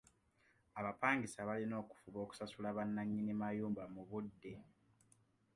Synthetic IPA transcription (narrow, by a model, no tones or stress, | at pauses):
aβapaːŋɡisaβalino̞ːku̥fuβo̞ːku̥sasulaβanːaɲːinimajuːmbamuβudːe̞